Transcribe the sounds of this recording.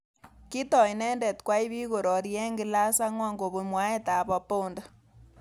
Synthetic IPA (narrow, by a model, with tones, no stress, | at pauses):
ki˦tɔ˨i˨nɛ˦ndɛ˨tkwa˦i˦βi˦ɣo˨ɾɔ˨ɾjɛ˦ŋɡɪ˨la˦sa˦ŋwa˦˨ŋɡo˨βu˨mwa˨˦e˦ta˨bɔ˨po˦ndɔ˨